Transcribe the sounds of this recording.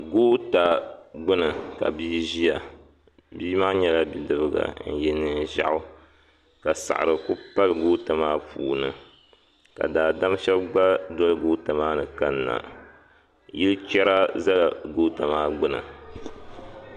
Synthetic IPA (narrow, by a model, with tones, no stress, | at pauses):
ɡoː˦ta˨ɡ͡bɨ˦nɨ˨ka̰˨biː˦ʒi˦ja˨ | biː˦ma˦ɲɛ˦la˦bi˨dɨ˦bɨ˦ɡa̰˨n̩˨jɛ˦nɨ˦n˨ʒa̰˨ʔʊ˦ | ka˨sa̰˨ʔɨ̰˨ɾɨ˨ku˦pa˦lɡoː˦ta˨maː˦pʰuː˨nɨ˨ | ka̰˨daː˨da˦m˦ʃɛ˦bɡ͡ba˦dɔ˦lɡoː˦ta˨maː˦nɨ˨ka˦nːa̰˨ | ji˦lɨ˦t͡ʃɛ˦ɾa˦za˦la˨ɡoː˦ta˨maː˦ɡ͡bɨ˦nɨ̰˨